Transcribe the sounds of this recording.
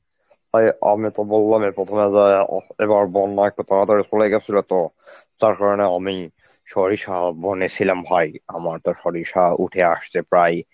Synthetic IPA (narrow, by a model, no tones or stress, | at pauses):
aja̰mit̪ɔbolːamepɹɔt̪ʰɔmeza̰ebaɹbɔnːaɛk̚ʈut̪akat̪ɔɾisɔlajɡɛsʰilɔt̪ɔ | zaɹkaɹɔneami | ʃɔɹiʃabonisʰilambʱajamaɹt̪ɔʃɔɹiʃaṵʈʰɛaʃt͡sʰepɹaj